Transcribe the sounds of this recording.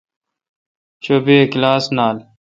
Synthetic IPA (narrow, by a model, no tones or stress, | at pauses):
ɕoːbeːklaːsnaːl